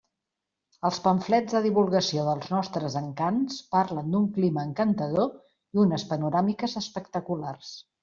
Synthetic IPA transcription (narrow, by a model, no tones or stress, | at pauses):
əlˠspəɱflɛd͡zzðəðiβulˠɣəsioðəlˠznɔst̪ɾəzəŋkanspaɾlənd̪uŋkliməːŋkənt̪əðo | iunəspənuɾamikəzəspəkt̪əkulars